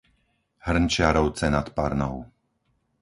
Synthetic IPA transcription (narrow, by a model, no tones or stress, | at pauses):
hr̩nt͡ʃɪaɾɔʊt͡sɛnat̪pa̰ɾnɔʊ